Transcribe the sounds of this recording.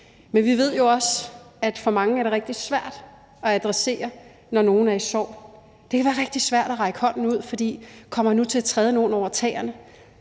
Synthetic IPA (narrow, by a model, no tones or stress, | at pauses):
menʋiʋe̝ð̞̰ˠjo̝ɒ̽sæd̥fɒ̽mɑ̈ŋəæɐɾ̥e̝ʁeɡ̥̚d̥i̥sʋæɐ̰d̥ | ɒ̽æd̥ʁɛse̝̰ːɐ | nɒno̝ːn̩æɐisɒ̰ː | d̥e̝kʰæʋæːɐʁeɡ̥̚d̥isʋæɐ̰d̥ɒʁɑ̈ɪɡ̥əhɒ̽n̰n̩uð̞̰ˠfɒ̽d̥ḭːkʰɒ̽m̰ɐnut͡sʰe̝æt͡sʰʁɛːð̞ˠəno̝ːn̩ɒʊ̰ɐt͡sʰɛ̰ːɐnə